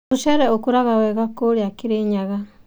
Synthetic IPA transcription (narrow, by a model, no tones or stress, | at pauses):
uʃɛɾɛokuɾaɣawɛɣakoɾeakiɾeɲaɣa